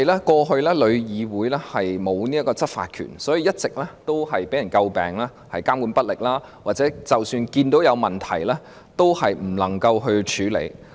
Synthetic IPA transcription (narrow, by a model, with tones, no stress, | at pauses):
jlaː˥kɔː˧ɦɵ˧ɥlɛː˥lɵ˨˧ɥjiː˨˧wuː˨˥jlɛː˥hɐ˨jmo˨˧wniː˥ɐ˥kːɔː˧t͡sɐ˥t̚fa̰ː˧t̚kʰy̰ː˨˩nsɔː˨˥ji˨˧jɐ˥t̚t͡sɪ˨k̚lɛː˥t̪o˥wɦɐ˨jpe˨˥jɐ˨˩nkɐ˧wpɛ̰ː˨ŋlaː˥ | hɐ˨jkaː˥mkuː˨˥npɐ˥t̚lɪ˨k̚laː˥ | waː˨t̚t͡sɛ˨˥t͡sɐ˨˩wsyː˧nkiː˧nt̪o˨˥wjɐ˨˧wmɐ˨˩nt̪ʰɐ˨˩jlɛː˥ | t̪o˥whɐ˨jm̩˨˩lɐ˨˩ŋkɐ˧wɦɵ˧ɥt͡ʃʰyː˨˥lḛ˨˧j